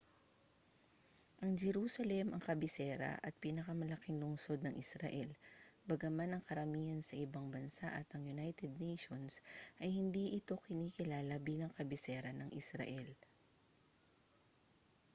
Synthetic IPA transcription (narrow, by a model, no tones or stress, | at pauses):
ʔɐŋd͡ʒɛɾuːsɐlɛmʔɐŋkɐbɪsɛːɾɐ̰ʔɐt̪̚piːnɐkɐmɐlɐkɪŋlʊŋso̞d̪nɐŋʔɪsɾɐ̰ʔɛlbɐɡɐmanɐŋkɐɾɐmiːɐnsɐʔɪbaŋbɐnsaʔɐt̪ʔɐŋjʊnajt̪ɛd̪̚nejʃonsʔɐjhɪnd̪iːʔɪt̪o̞kɪniːkɪlaːlɐbiːlɐŋkɐbɪsɛːɾɐnɐŋʔɪsɾɐ̰ʔɛl